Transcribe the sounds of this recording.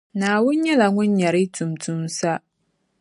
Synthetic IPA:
naː˨wʊ˦nɲɛ˦la˨ŋʊ̃˦nɲa˨ɾɪ˦tʰu˨mtʰu˦msa˦

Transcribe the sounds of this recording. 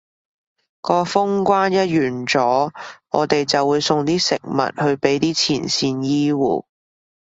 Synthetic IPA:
kɔː˧fʊ˥ŋkʷaː˥njɐ˥t̚jyː˨˩nt͡sɔː˨˥ŋɔː˨˧t̪e˨jt͡sɐ˨wːuː˨˧jsʊ˧ŋt̪iː˥sɪ˨k̚mɐ̰˨t̚hɵ˧ɥpe˨˥jt̪iː˥t͡sʰiː˨˩nsiː˧njiː˥wṵː˨˩

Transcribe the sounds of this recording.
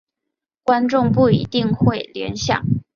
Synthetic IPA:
kwa˥nʈ͡ʂʊ˥˧ŋp̬u˥˩ḭ˧˥t̪i˥˧ŋxwe˥˩ɪljɛ̰˧˥nɕjɑ̰˨˩˦ŋ

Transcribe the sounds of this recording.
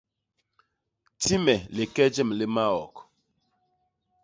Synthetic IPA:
ti˦me˨le˨ke˦d͡ʒe˦m̩˨le˦ma˦ɔ̰˨kɔ̥˨

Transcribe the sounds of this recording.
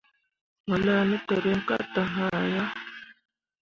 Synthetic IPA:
ma˨la˦˨nə˦t̪ə˨ɾe˦ŋka̰˦t̪a˨ɦa˦˨ja˦

